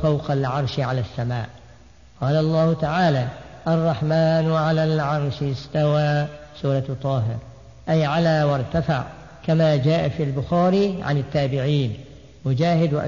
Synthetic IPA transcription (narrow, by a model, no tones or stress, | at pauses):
fawqalʕɑɾˤʃʕalasːamaːʔ | qɑːlaʔɑlˤːɑːhʊt̪aʕaːlaːʔɑrˤːɑħmaːnwʕalaːlʕɑɾˤʃst̪awaːsuːɾˤɑt̪ˤːɑːɦɪɾ | ʔajʕalaːwɑɾˤt̪afa̰ʕ | kamaːd͡ʒaːʔafiːlbʊxaːɾiːʕa̰nɪt̪ːaːbɪʕiːn | mʊd͡ʒaːhɪd̪wʔ